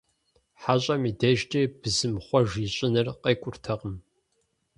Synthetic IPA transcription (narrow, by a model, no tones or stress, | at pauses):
ħaɕʼɐmidɐʒtʰʼeːb̥ɨzɨmχʷɔʒiɕʼɪnɨrqeːkʷʼʊrtʰɐqəm